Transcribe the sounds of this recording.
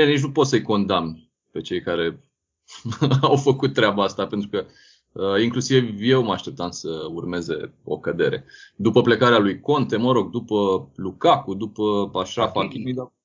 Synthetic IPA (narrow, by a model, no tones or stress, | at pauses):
enit͡ʃ̬nupo̞t̪səjko̞nd̪amn | pe̞t͡ʃe̞jkaɾe̞ | awfəkut̪ːɾeabaast̪ape̞nt̪ɾukə | əiŋklusivje̞wmaʃt̪ep̚t̪ansəurme̞ze̞̰o̞̰kəd̪e̞ɾe̞̰d̪upəple̞kaɾealujko̞nt̪e̞məɾo̞ɡ̚d̪upəlukakud̪upəaʃafakimid̪